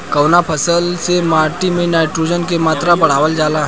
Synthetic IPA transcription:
kəwnapʰəsəlsemaːʈimẽnaːɪʈɾuːd͡ʒənkemaːt̪ɾabɐɽ̤aːʋəld͡ʒaːlaɦ

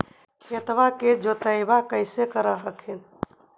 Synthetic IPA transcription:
ket̪ʋaked͡ʒot̪əjbakəɪsekəɾaɦəkʰen

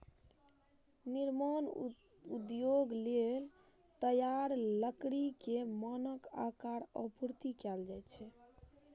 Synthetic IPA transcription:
niɾman | ud̪joɡlel | t̪əjaɾləkɽikemənəka̰kaɾəpuɾt̪ikɛld͡ʒaj̪t͡ʃʰɛ

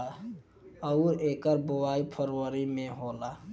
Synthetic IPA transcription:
a | əʊɾeːkəɾbowaipʰəɾwəɾimẽɦola

